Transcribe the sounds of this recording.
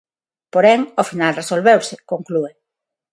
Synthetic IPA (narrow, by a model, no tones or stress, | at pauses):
poɾɛŋofinalresolβewsɪkoŋklue